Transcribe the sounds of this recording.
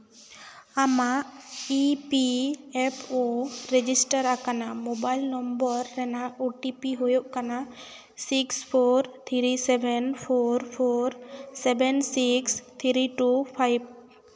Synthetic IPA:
amaʔipiɛpʰoɾɛd͡ʒisʈaɾakanamobajlnɔmbɔɾːɛnauʈipiɦojoʔkana | sikspʰoɾt̪ʰiɾisɛbɛnpʰoɾpʰoɾsɛbɛnsikst̪ʰiɾiʈupʰajb̚

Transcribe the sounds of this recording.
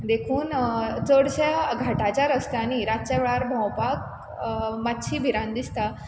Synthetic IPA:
d̪ekʰuːnt͡səɽt͡ɕjaɡʱaʈat͡ɕaɾəst̪añiɾat͡ɕaʋɭaɾbʱãwpak̚ | mat̪ːɕʰiːbʱiɾãnd̪ist̪a

